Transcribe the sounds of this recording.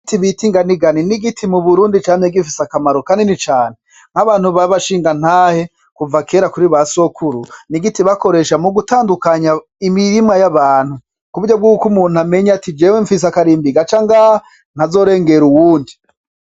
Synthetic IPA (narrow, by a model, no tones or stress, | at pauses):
tiβitiŋɡaniɡaniniɡitʰimuβuɾuːndit͡ʃaːneɡiɱfisakamaɾokaːndinit͡ʃaːne | ŋ̥haβaːn̥huβaβaʃiːŋɡan̥haːhe̞ | kuvakeɾakuɾiβaso̞kʰuɾuniɡitiβako̞ɾe̞ʃamuɡutaːndukaɲa | imiɾimŋajaβaːn̥hu | kuβuɟob̚ɡuːkumuːn̥uame̞ɲatid͡ʒeweɱfis̬akaɾiːmbiɡat͡ʃaːŋɡa | n̥azo̞ːɾe̞ːŋɡe̞ɾuwuːndi